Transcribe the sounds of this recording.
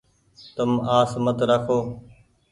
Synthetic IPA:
t̪əmaːsmət̪ɾakʰoː

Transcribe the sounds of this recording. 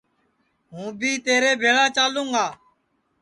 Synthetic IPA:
ɦũːbʱiːt̪eːɾeːbʱeːɭaːt͡ʃaːlũːŋɡaː

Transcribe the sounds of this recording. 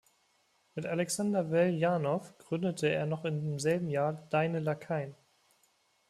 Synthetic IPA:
mɪtalɛksandɐvɛljaːnɔfɡ̥ʁʏndətʰəḛːɐnɔχɪndeːmzɛlbm̩jaːɐd̥aɪnəlakʰaɪn

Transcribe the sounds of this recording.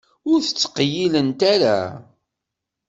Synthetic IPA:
ʊɾθə̥t͡sːə̥qjilənt̪aɾa̰

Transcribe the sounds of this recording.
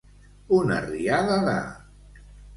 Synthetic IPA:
una̰riaðaða̰

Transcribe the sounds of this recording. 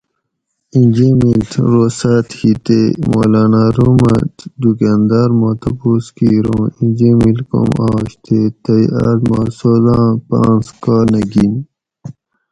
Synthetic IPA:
ĩnʲd͡ʑemilt̪ɾoːsaːt̪hit̪emo̰ːlaːnaːɾumɐ̰td̪ukand̪aːɾmoːt̪ɐpuːskiːɾõːĩnd͡ʑemilko̰maːɕt̪ʰeːt̪ɐja̰ʈ̪masozãːpã̰ːnskaːnɐɡin

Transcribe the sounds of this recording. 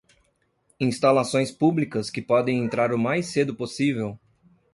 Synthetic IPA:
ĩst̪alasõj̃spublikɐskɪpɔd̪ẽj̃ẽnt̪ɾaɾʊmajsed̪ʊposivew

